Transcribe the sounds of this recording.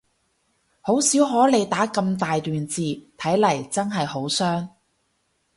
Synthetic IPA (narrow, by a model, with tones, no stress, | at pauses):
ho˨˥wsiː˨˥wɦɔː˨˥le˨˧jt̪aː˨˥kɐ˧mt̪aː˨jt̪yː˨nt͡siː˨t̪ʰɐ˨˥jlɐ˨˩jt͡sɐ˥nɦɐ˨jho˨˥wsœː˥ŋ